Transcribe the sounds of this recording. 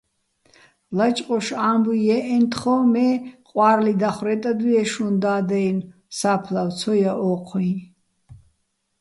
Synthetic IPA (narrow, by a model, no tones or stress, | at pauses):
lat͡ʃʼqʼɔʃambuɛʔɛnt̪ʰχɔmɛqʼwaɾlid̪aχɾɛt̪ʼad̪iɛʃund̪aːd̪ɛjn | sapʰlawt͡sʰɔjaʔɔqʰwin